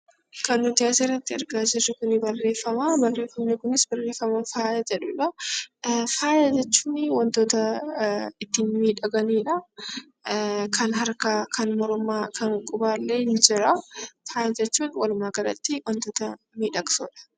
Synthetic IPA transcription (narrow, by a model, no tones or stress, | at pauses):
kɐnːʊd̪ɪjaːsɪrːɐt̪ːɪɐɾɡaːd͡ʒɪrɪkʊnɪbɐrːe̞ːfːɐmabɐrːe̞ːfːɐmneːkʊnɪsbɐrːeːfːɐmɐnfaːjɐd͡ʒɛᶑʊᶑɐ | faːjɐd͡ʒɛt͡ʃːuːnɪwɐnt̪oːt̪ɐ | ɪt̪ːɪnmiːᶑɐɡɐniːᶑɐ | kʰɐnɦɐɾkakʰɐnmɔɾʊmaːkʰɐŋkʼʊbaːlːeːnd͡ʒɪɾɐfaːjɐd͡ʒɛt͡ʃːuːnwɐlʊmaːɡɐlɐ̰t̪ːɪwɐnt̪oːt̪ɐ | miːᶑɐɡsṵːᶑɐ̥